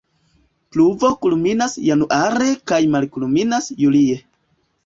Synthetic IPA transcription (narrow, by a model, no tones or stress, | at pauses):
pluvo̞kulminasjanuʔaɾe̞kajmalkulminasjulie